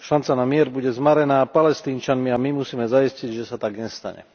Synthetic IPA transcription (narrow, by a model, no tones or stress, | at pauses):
ʃant͡sanamɪɛɾbuɟɛzmaɾɛnaːpalɛst̪iːnt͡ʃanmiamimusiːmɛzaisciɟʒɛsat̪aɡɲɛst̪a̰ɲɛ̰